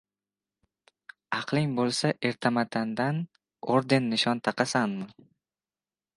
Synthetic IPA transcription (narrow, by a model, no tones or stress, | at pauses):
ɑqʰlˠɪŋbolˠsaʔe̞ɾt̪ʰamat̪ʰand̪an | oɾd̪e̞nːɪʃɒnt̪ʰɑqɑsanmɪ